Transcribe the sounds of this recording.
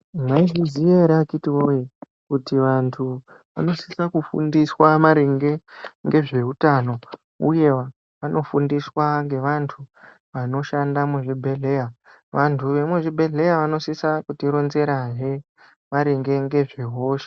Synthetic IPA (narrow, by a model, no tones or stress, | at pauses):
maiʐizijeɾakitiwoje | kutiʋantʰu | ʋa̰no̞si̥sakufṵndiswamaɾiŋɡe̞ŋɡe̞ʐe̞ɦutano̞ | ṵje̞ʋa | ʋano̞fundiswaŋɡe̞ʋantʰu | ʋano̞ʃandamuʐibʱe̞ɮe̞ja | ʋantʰuʋe̞muʐibʱe̞ɮe̞jaʋano̞sisakutiɾo̞nze̞ɾaʐe̞ | maɾeŋɡe̞ŋɡe̞ʐe̞ɦo̞ːʃḁ